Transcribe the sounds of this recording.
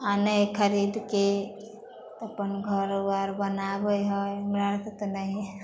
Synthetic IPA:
anəjkʰəɾid̪ke | əpənɡʱəɾbaɾbənabəjɦɔmɾaɾt̪t̪onəi

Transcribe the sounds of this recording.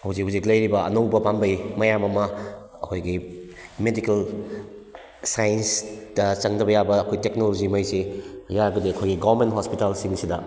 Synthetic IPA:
hawzikɦauziklɐjɾibɐɐ̰nɐwbɐpambɐjmɐjamɐmɐ | ɐ̰kʰojɡi | medikel | sajensd̥ɐt͡ʃɐŋdɐbɐjabɐːkʰojtek̚nolod͡ʒimɐjsejaɡɐdiɐkʰojɡiɡoɐɾmentɦospitalsiŋsidɐ

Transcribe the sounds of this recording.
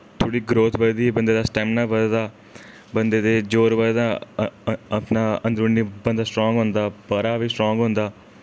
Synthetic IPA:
t̪ʰoːɽiːɡɾoːt̪ʰbəd̪d̪iːbənd̪eːd̪aːsʈɛːmnaːbəd̪d̪aː | bənd̪eːd̪eːd͡ʒoːɾbəd̪d̪aː | əpnaːənd̪ɾuːniːbənd̪aːsʈɾɔ̃ːŋɡɦʊ̃nd̪aːpəɾaːʋiːsʈɾɔ̃ːŋɡɦʊ̃nd̪aː

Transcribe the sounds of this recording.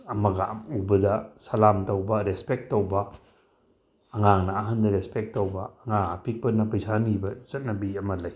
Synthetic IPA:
ɐmɐɡa̰ubɐdɐsɐlamtɐwbɐɾespek̚tːowbɐ | ŋaŋnɐːɦɐndɐɾespek̚tːowbɐːŋaŋapʰik̚pɐnɐpɐjsanibɐzɐt̚nɐbiɐmɐlɐj

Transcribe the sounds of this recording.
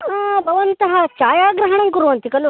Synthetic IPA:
abʱɐʋɐnt̪ɐɦɐt͡ʃaːjaːɡɾɐɦɐɳɐnkuɾuʋɐnt̪ikɐlu

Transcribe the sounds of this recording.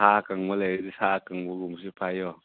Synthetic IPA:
aːkaŋwolɛidisaːkaŋwuɡumsipʰajɔ

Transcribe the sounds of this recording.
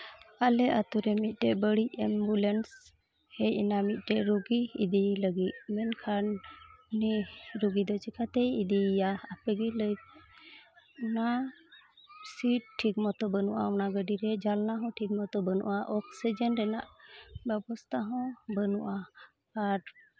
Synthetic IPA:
alɛʔat̪uɾɛmit̪̚ˀʈɛbəɽic̚ɛmbulɛns | hɛjinamit̪̚ˀʈɛɾuɡiḭd̪iləɡit̪̚mɛnkʰanː | iɾuɡid̪ɔt͡ʃikʰat̪ɛjid̪ijaapɛɡiləjt̪̚ | na | siʈ̚ʈʰːiɡmɔt̪ɔbənuʔa̰ɔnaɡəɖiɾɛd͡ʒalnaɦɔ̃ʈʰiɡ̚mɔt̪ɔbənṵʔaʔɔksid͡ʒənɾɛnaʔbɛbɔst̪ʰaɦɔ̃bənuʔa | aɾ

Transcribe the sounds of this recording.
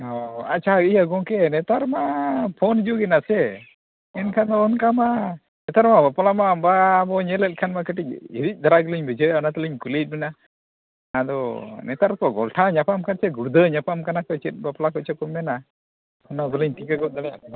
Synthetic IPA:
ɔa̰t͡ʃʰaijaɡɔkɛnɛt̪aɾmapʰɔnd͡ʒuɡɛnasɛ | ɛnkʰanɔːnkama | nɛt̪aɾmabaplamabaːbɔɲɛlɛt̪̚ˀkʰanmakəʈic̚iɾic̚ˀd̪aɾaɡəliɲbɛd͡ʒəjɔnat̪ɛliɲkulit̪̚ˀmɛnaː | d̪ɔnɛt̪aɾkɔɡɔlʈʰaɲapamkat͡ʃʰɛɡuɾd̪əɲapamkanakɔt͡ʃɛt̪̚ˀbaplakɔt͡ʃʰɛkɔmɛna | ɔnabələɲt̪ikaɡɔt̪̚d̪alɛjakɔna

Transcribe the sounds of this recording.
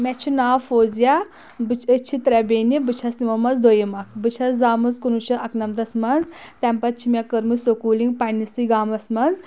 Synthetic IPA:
mʲɛt͡ʃʰinaːfoːzja | bɨt͡ʃʰət͡ʃʰit̪ɾɛbeːnibɨt͡ʃʰɐsnimɐmɐnzd̪ojimɐkʰbɨt͡ʃʰɐzaːmɨzkunuʃɐʔɐknɐmd̪ɐsmɐnzt̪ɛmpɐt̪̚t͡ʃʰimjakəɾmɨsokuːliŋɡpanisɨɡaːmɐsmɐnz

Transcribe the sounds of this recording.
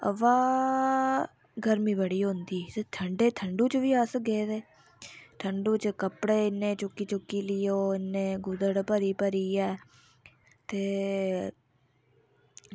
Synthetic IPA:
ə̰ʋaː | ɡəɾmiːbəɽiːɦõnd̪iːt̪eːt̪ʰəɳɖeːt̪ʰəɳɖuːt͡ʃʋiːəsɡeːd̪eː | t̪ʰəɳɖuːt͡ʃkəpɽeːɪnːẽːt͡ʃʊkiːt͡ʃʊkːiːliːoːɪnːẽːɡʊd̪əɽpəɾiːpəɾiːɛː | t̪eː

